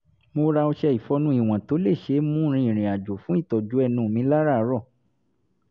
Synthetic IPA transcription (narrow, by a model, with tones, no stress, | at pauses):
mo˧ɾa˧o˧ʃɛ˧i˨fɔ˨˧˦nũ˦i˦˨w̃ã˨to˨˦le˦˨ʃe˧˦mũ˦ɾ̃ĩ˧ĩ˨ɾ̃ĩ˨a˨d͡ʒo˨fũ˨˦i˦˨tɔ˨d͡ʒu˨˦ɛ˧˨nũ˧˨mĩ˨˧˦la˦ɾa˦˨˦ɾɔ˦˨